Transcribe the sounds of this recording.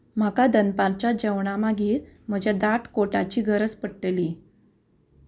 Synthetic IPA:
m̤akad̪ənpalt͡ɕad͡ʑəwɳamaɡiːɾm̤əd͡ʑad̪aʈkoʈat͡ɕiːɡʱəɾət͡spəɽʈəli

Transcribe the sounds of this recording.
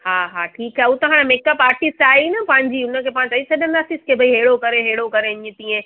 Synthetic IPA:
haːɦaːʈʰiːkɦɛːʊt̪ɐɦaːɽ̃meːkəpaːɾʈist͡ɕaːinɐpɐ̃ɦɪ̃ɲd͡ʑiʊnə̆kʰeːpãːɲt͡ɕaːisɐɗənaːsiskʰeːbʱɐiɦeːɽokɐɾeɦeːɽokɐɾeɪɲə̃t̪ĩːẽ

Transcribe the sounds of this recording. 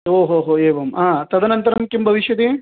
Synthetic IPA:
oːɦoːɦoːeːʋɐmaːt̪ɐd̪ʱɐnɐnt̪ɐɾɐmkimbʱɐʋiʃjɐt̪e

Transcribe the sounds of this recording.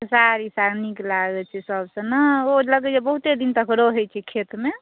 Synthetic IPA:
saɾisaɾniklaɡɛt͡ʃʰɛsəbsə̃nəoləɡɛd͡ʒebəɦut̪ed̪int̪əkɾoɦojt͡ʃʰɛkʰet̪me

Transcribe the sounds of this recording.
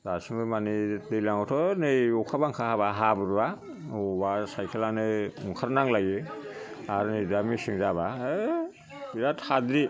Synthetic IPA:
dasiŋbɯmanidɯjlaŋɔtʰɔnɯɔkʰabaŋkʰahabaɦabɯɾba | obasajkʰelanɯuŋkʰaɾnaŋlajɯ | aɾnɯdamisiŋzaba | biɾatʰadɾi

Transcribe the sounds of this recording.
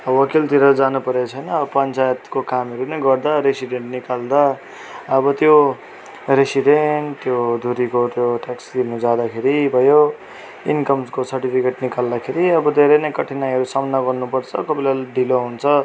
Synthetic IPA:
ʌbʌʌkilt̪iɾʌd͡zanupʌɾjat͡sʰʌjnʌbpʌnt͡sajet̪kokamɦʌɾunʌjɡʌrd̪aɾesiɖeɳʈnikald̪a | ʌbʌt̪jo | ɾesiɖeɳʈt̪jod̪ʱuɾikot̪joʈaksd̪inud͡zad̪akʰeɾibʱʌjo | inkʌmskosʌrʈipʰikeʈnikald̪akʰeɾiʌbʌd̪ʱeɾʌnʌjkʌʈʰinajɦʌɾusʌmʌnːʌɡʌrnupʌrt͡sʰʌkʌbilalɖiloɦunt͡sʰʌ

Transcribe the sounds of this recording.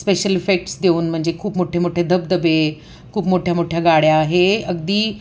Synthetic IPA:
speːʃəlifeːk̚ʈsd̪eunɪ̆m̤ə̃ɦɪ̃ɲ̆d͡ʑekʰuːbmoʈʰemoːʈʰed̪ʱɐbd̪əbe | kʰuːbmoːʈʰjamoːʈʰjaɡaːɽ̤jaːɦeɐɡd̪iː

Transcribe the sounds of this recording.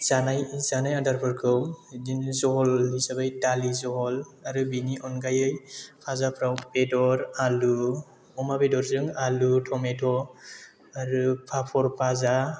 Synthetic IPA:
z̥anajzanajadaɾpʰɯɾkʰɯwdinzɔɦɔlːisabajdalizɔɦɔl | aɾɯbiniʔɔnɡajɯjpʰazapʰɾawpedɔɾalu | ɔmabedɔɾzɯŋalutʰɔmetʰɔ | aɾɯpʰapʰɔɾpʰaza

